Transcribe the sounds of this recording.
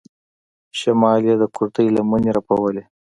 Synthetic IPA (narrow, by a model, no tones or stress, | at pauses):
ʃɐmɑːlijad̪əkʊɾt̪əjlaməneɾapɐwəle